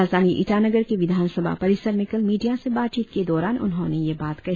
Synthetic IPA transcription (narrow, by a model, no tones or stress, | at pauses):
aːzd̪aːniʔɪʈaːnɐɡəɾkiʋɪd̪ʱaːnsəbʱa̰pɐɾɪsəɾmɪkəlmiːɖijasebaːt̪t͡ʃiːt̪ked̪ɔːɾaːnʔʊ̰nɦõːnejebaːt̪kɐ